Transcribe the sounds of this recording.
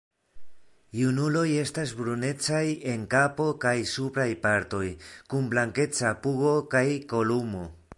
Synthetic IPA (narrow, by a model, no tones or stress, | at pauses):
junulo̞je̞stasbɾune̞t͡saje̞ŋkapo̞kajsupɾajpaɾto̞jkumblaŋke̞t͡sapuɡo̞kajko̞lumo̞